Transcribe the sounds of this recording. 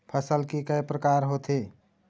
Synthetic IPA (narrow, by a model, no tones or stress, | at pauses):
pʰəsəlkikəjpɾəkaɾɦot̪ʰe